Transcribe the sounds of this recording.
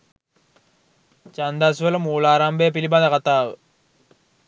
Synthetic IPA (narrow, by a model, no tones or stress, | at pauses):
t͡ɕand̪asuʋɐlɐmuːlaːɾaːmbɐjɐp̬iliband̪ɐkat̪aːʋə